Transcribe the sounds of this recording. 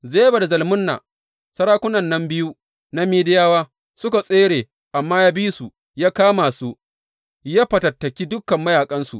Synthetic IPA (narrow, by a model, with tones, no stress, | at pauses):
zeː˦jba˨da˨zɐ˨lmʊ˦nːa̰˨ | sɐ˦ɾaː˦kʷʊ˦nɐ˨nːɐ˦mbɪ˦ju˦ | na˦miː˦dɪ˦jaː˦waː˦ | sʊ˦ka˨sʼeː˦ɽeː˨ | ʔa˨mːaː˦jaː˦bi˦su˨ | jaː˦kaː˦ma˨su˦ | jaː˦ɸɐ˨tɐ˨tːɐ˨kʲi˦dʊ˦kːɐ˨mːɐ˦jaː˨kʼɐ˦nsṵ˨ʔ